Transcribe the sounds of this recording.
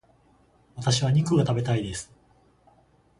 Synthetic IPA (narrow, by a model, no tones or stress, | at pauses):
βat̪aɕiβaɲ̟ikɯɡat̪abe̞t̪aid̪e̞sɨ̥